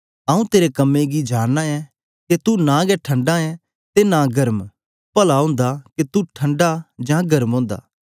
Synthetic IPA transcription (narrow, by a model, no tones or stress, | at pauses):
ɐũt̪eːɾekɐmːẽɡid͡ʒaːnːaɛ | ket̪unãɡɛʈʰɐ̃ɳɖãɛ̃ | t̪enãɡɐɾəm | pɐlaɦõːnd̪aket̪uʈʰɐ̃ɳɖad͡ʒãɡɐɾmɦõːnd̪a̰ː